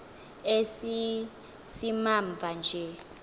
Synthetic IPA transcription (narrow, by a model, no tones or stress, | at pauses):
esi | simaɱb̪vʱand͡ʒʱɛ